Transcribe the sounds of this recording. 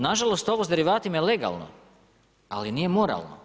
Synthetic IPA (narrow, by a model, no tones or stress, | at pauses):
naʒalˠost̪o̞ʋozd̪eɾiʋaːt̪imajeleɡa̰lˠno̰ | alinije̞mo̞ɾa̰lˠno̰